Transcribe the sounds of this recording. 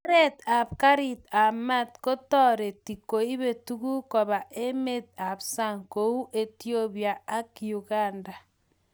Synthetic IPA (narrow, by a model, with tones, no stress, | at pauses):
ɾɛ˦ta˨p̚ka˦ɾi˨ta˨ma˦tko˦tɔ˦ɾe˨ti˨ko˨i˦βe˨tu˦ku˦kɔ˨βa˨ʔe˦me˦˨t̚a˨bsa˦˨ŋko˨u˦ʔe˦tjo˦βja˨a˦kju˨ɣa˦˨nda˨